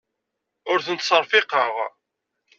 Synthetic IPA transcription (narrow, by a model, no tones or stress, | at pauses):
ʊɾθənt̪səɾˤfɪqəʁ